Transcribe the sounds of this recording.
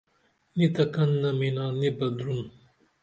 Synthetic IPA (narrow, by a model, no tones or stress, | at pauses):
nit̪ɐkɐnːɐminaːnibɐd̪ɾun